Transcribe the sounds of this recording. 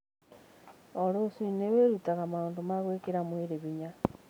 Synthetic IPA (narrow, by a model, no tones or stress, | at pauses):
oɾosineweɾutaɣamaondomaɣwekeɾamweɾeβiɲa